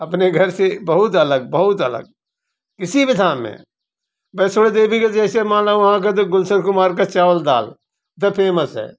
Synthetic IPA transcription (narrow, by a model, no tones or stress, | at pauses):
ɐpneɡʱəɾsebəɦʊt̪ɐləɡ̚bəɦʊt̪ələ̰ɡ̚ | kɪsibɪd̪ʱaːnmḛ̃ | bɛːsoːɽed̪eːbʱiked͡ʒɛːsemãːlaɐɦãk̬et̪oɡʊlsəɾkʊmaːɾkat͡ʃaːʋəld̪a̰ːl | t̪əpʰeːməsɦɛ̰ː